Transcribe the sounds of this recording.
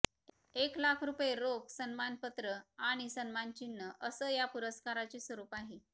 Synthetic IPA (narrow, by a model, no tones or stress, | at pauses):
eklakʰɾupjeɾoksənmanpət̪ɾəaɽ̃isənmant͡ɕinːəʔəsəːjapuɾəskaɾat͡ɕesʋəɾuːpaɦe